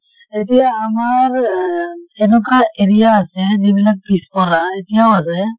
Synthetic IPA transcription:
etijaːmaɹ | enukaʔeɾijaːsɛzibilak̚pispɔlaetijaʊasɛ

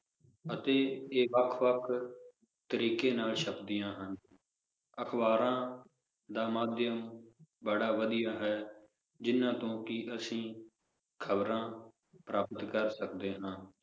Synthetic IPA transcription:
ət̪eːeːʋəkʰʋəkʰ | t̪əɾiːkeːnaːlʃəpd̪ɪjãːɦən | əkʰbaːɾãː | d̪aːmaːd̪jəmbəɽaːʋəd̪ɪjaːɦɛː | d͡ʒɪnːãːt̪õːkɪʔəsĩː | kʰəbɾãː | pɾaːpət̪kəɾsəkd̪eːɦãː

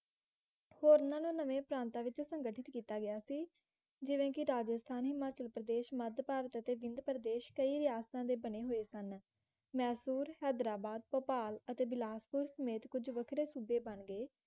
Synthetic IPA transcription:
hoːɾnãːnũːnəʋẽːpɾãːnt̪ãːʋɪt͡ʃsəŋɡəʈʰɪt̪kiːt̪aːɡɪaːsiː | d͡ʒɪʋẽːkɪɾaːd͡ʒəst̪ʰaːnɦɪmaːt͡ʃəlpɾəd̪eːʃməd̪paːɾət̪ət̪eːʋɪ̃nd̪pɾəd̪eːʃkəiːɾɪjaːst̪ãːd̪eːbəneːɦoːeːsən | mɛːsuːɾhɛːd̪ɾaːbaːd̪̚pəpaːlət̪eːbɪlaːspʊɾsəmeːt̪kʊd͡ʒʋəkʰɾeːsuːbeːbəɳɡeː

